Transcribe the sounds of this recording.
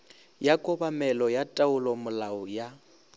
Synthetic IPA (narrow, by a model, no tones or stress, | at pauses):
jakʼɔbamɛlɔjatʼaʊlɔmʊlaʊja